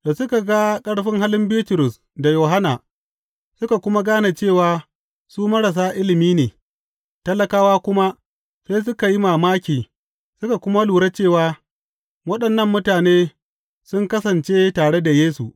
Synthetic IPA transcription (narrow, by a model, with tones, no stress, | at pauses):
do˨sʊ˦ka˨ɡa˦kʼɐ˦ɽɸɪ˦ŋɦa˦lɪ˦mbiː˦tʊ˨ɾʊ˨s | da˨joː˨ɦa˦naː˨ | sʊ˦ka˨kʷʊ˦ma˦ɡaː˦na˨t͡ʃeː˦˨waː˨ | suː˦mɐ˦ɽɐ˨s̬aː˦ʔɪ˦lɪ˨miː˦neː˨ | tɐ˦lɐ˦kaː˦waː˦kʷʊ˦ma˦ | seː˦s̬ʊ˦ka˨ji˦maː˨maː˦kʲiː˨ | sʊ˦ka˨kʷʊ˦ma˦luː˨ɽa˦t͡ʃeː˦˨waː˦ | wɐ˦ɗɐ˨nːɐ˦mːʊ˦taː˨neː˦ | sʊ˦ŋkɐ˦sɐ˨nt͡ʃeː˦taː˨ɽe˦da˨jeː˦su˨ʔ